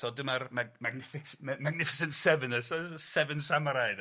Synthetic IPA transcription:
tʰoːdəmarmamaɡnɪfɪksmmaɡ̚nɪfɪsənsɛvənəsɔsɛvənsamaɾajd

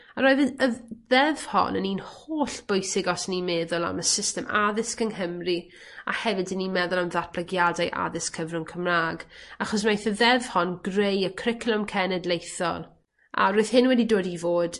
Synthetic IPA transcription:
aɾoːɨðəəðɛv̥hɔ̰nə̰niːnhoːɬb̥ojsɪɡɔsənimeːðʊlˠa̰məsɪstɛma̰ðɪskəŋɦəmri | a̰hɛvɨdənimɛðʊlˠamðat̚b̥ʰləɡjadajʔa̰ðɪskʰəvrʊnkʰəmraːɡaχɔs̬majθəðɛv̥hɔnɡrejəkʰrɪkʰlˠɔmkʰɛnɛdlˠejθɔ̰lˠ | a̰ɾoɨðhɪnwɛdidoːdivoːd̥

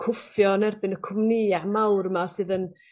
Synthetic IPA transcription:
kʰʊfjɔnɛrbɪnəkʰʊmniamawrəmasɨːðən

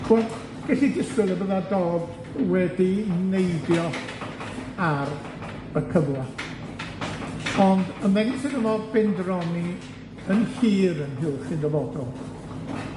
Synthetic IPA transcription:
wɛl | ɡ̥ɛɬidɪstɨlˠəbəðadoːd | wɛdinejdjɔ | ar | bəkʰəvlˠa | ɔndəmɛnisɪndəmɔbɪndrɔni | ənɬiːɾənɦɪɬɪndəvɔdɔlˠ

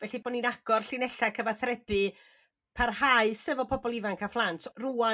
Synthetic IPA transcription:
vɛɬiboɔːninaɡ̥ɔrɬɪnɛɬakʰəvaθrɛb̥ɨ | pʰarhaɨsəvɔpʰɔbɔlˠivaŋkʰaflˠantʰrua

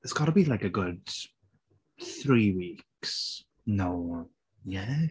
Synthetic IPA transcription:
ɪtsɡ̥ɔnəbilaɪkɨɡʊd̥̚ | θɹiwiks | noʊ | jɛ

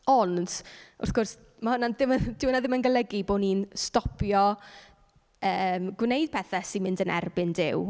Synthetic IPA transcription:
ɔnd̥ʊ̰rθɡʊrs | mahʊnadɪmd̥ɪwnaðɪmənɡəlˠəɡiboːdniːnstɔpʰjɔ | əːmɡ̥wnejd̥̚pʰɛθasimɪndənɛ̰rbɪndɪ̰w

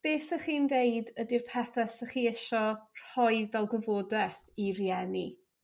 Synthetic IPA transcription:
b̥eːsəχiːndejdədirpʰɛθɛsəχiːəʃɔr̥ɔjvɛlˠɡəvodɛθirjɛni

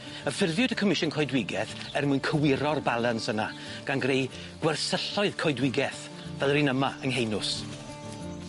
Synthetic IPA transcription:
əfɪrvjʊdəkʰəmɪʃʊnkʰɔjdwɪɡɛθɛrmʊɨnkʰəwɪɾɔrbalˠansəna | ɡ̥anɡrej | ɡ̥wɛrsəɬɔɨðkʰɔjdwɪɡɛθ | vɛlˠrinəmaəŋɦejnʊs

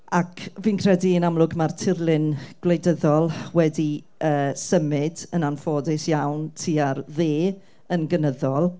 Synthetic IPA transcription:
akʰviːnkʰrɛdiənamlˠʊɡmartʰɪrlˠɪnɡ̥lejdəðɔlˠwɛdi | əːsəmɪdənanfoːdɪsjawntʰiːarðeː | ənɡənəðɔlˠ

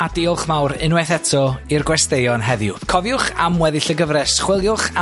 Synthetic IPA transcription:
adiʊlˠχmawɾɪnwɛθɛtʰɔirɡwɛstejɔnɦɛðjʊkʰɔvjʊχamwɛðɪɬəɡəvɾɛsχwɪlˠjʊχa

